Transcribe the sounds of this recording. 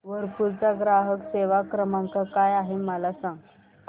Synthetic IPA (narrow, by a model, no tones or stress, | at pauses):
ʋəɾpuɾt͡saɡɾaɦəkseʋakɾəmãŋkakajaɦeməlasãŋɡ